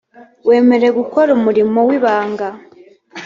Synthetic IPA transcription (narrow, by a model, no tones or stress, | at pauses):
we̞ːme̞ɾe̞ɡuko̞ɾumuɾimo̞wiβaːŋɡa